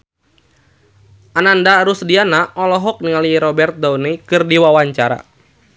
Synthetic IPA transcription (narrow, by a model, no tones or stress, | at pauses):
ʔanandaɾusdianaʔɔlɔɦɔk̚niŋaliɾɔbɛrt̪̚daunikɨrdiwawaɲt͡ʃaɾa̰